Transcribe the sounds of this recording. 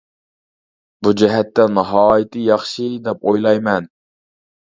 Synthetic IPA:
bud͡ʒɛɦɛt̪ːɛnɑɦɑːjɪt̪ʰɨjɑχʃid̪ɛpojlˠɑjmɛn

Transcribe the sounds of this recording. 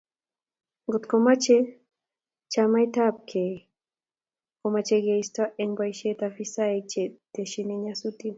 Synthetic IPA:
ŋɡot̪komat͡ʃe | t͡ʃamajtap̚kʰe | komat͡ʃeɡeistaʔeŋbajʃet̪afisaɛt͡ʃet̪eʃineɲasutin

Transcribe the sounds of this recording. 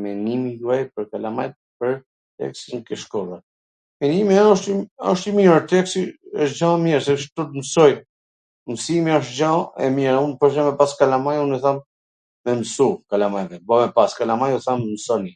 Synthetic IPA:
mɛnimid̪uajpəɾkalamajt̪̚ | pəɾ | t̪ɛ̰ksinkɛʃkɔla | mɛnimɛɔʃiɔʃt̪imiɾt̪ɛksiəʃd͡ʒãɛmiɾsɛʃt̪ut̪msɔj | msimiɔʃ̬t̪d͡ʒãɛ̰mɛɾunpɔʃɛmɛpaskalamajunɛθamː | ɛmsukalamajðɛbɔmɛpaskalamajɔθammsɔni

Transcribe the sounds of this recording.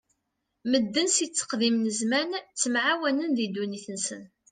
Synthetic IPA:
məd̪ːənsit͡sːə̥qðimnəzmænt͡sːəmʕawænənðid̪uniθənsən

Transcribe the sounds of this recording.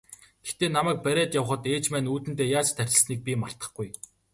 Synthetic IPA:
ɡ̥ext̪eːnamæːk̚pæɾʲæːt̪jawə̆χə̆t̪eːt͡ɕmæːnuːt̪ɘ̆nt̪eːjaːt͡ɕt̪ʰːærʲɪ̆ɮsniːk̚pʲimar̥t̪ə̆χɡuj

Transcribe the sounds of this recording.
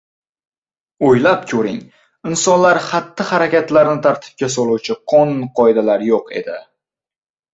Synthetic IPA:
ojlapkʲʰɵɾɪ̰ŋ | ɪnsɒnlaɾχat̪ʰːɪhaɾakʲat̪laɾnɪt̪ʰaɾt̪ʰɪ̥p̚kʲasɒlˠuwt͡ʃʰɪqʰɒnnqʰɒjd̪alaɾjoqʰe̞̰d̪ɪ

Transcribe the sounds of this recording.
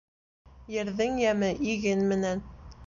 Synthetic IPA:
jɘ̆ɾðɘŋjæmɘʔiɡɘnmɘ̆næn

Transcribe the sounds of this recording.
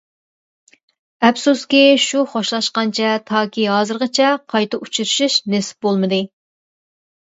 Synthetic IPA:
ɛpsuskʲiʃuχoʃlˠɑʃqɑnt͡ʃʰɛt̪ʰɑːkʲʰiɦɑːzɨɾʁɨt͡ʃʰɛqʰɑjt̪ɨut͡ʃʰuɾɨʃiʃnesɪ̥p̚bolˠmɨd̪ɨ

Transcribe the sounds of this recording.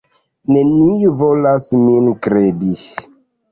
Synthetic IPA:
nenijuvolasminkɾedi

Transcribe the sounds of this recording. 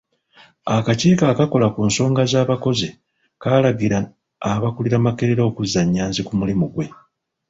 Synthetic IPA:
akaciːkakako̞lakuːnso̞ːŋɡazaːβako̞ze | kaːlaɡiɾaː | βakuliɾamake̞ɾeɾo̞kuzaɲːaːnzikumulimuɡwe̞

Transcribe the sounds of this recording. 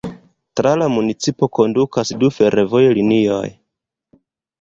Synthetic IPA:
tɾalamunit͡sipo̞ko̞ndukasdufe̞ɾʔevo̞jlinio̞̰j

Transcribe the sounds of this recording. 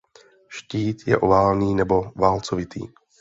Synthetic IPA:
ʃciːt̪jɛ̰ʔo̰vaːlniːnɛbo̞vaːlt͡sovɪt̪ʰḭː

